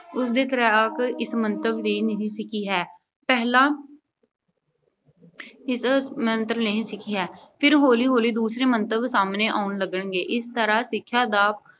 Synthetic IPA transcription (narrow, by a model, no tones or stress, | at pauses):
ʊsd̪eːt̪əɾəkɪsmənt̪əbliːnəĩːsɪkʰiːɦɛː | pɛːɦlãː | ɪsmənt̪əɾənəɦĩːsɪkʰiːɦɛːpʰɪɾɦoːliːɦoːliːd̪uːsɾeːmənt̪əbsaːmneːʔaːʊnləɡəɳɡeːʔɪst̪əɾaːsɪkʰːjaːd̪aːp